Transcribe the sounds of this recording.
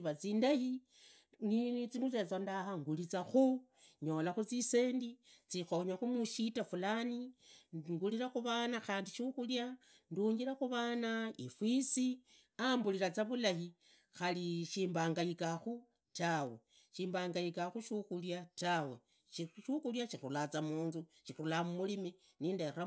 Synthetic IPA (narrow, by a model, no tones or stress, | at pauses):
βat͡siːndahi | nit͡simut͡set͡sondahaŋɡulit͡saxu | ɲo̞laxut͡sise̞ːndit͡sixo̞ɲaxumuʃitafulani | ŋɡuliɾaxuβanaxaːndiʃuxulja | nduɲɡiɾaxuβaːnaifwisi | ambuliɾat͡saβulahi | xaliʃiːmbaːŋɡajikaxu | tawe | ʃiːmbaːŋɡaikaxuʃuxuljatawe̞ | ʃiʃuxuljaʃixuulat͡samuːnzuʃixuulamumulimi | niːndaɾa